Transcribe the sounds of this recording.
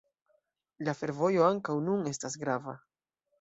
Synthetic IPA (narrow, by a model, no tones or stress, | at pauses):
lafe̞ɾvo̞jo̞aŋkawnune̞stasɡɾava